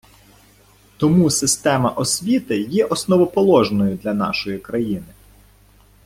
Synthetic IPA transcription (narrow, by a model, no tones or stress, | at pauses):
t̪ɔmusɪst̪ɛmɐʔɔsʲʋʲit̪ɪjɛʔɔsnɔʋɔpɔlˠɔʒnɔjʊd̪lʲɐnɑ̰ʃɔjikɾɐjinɪ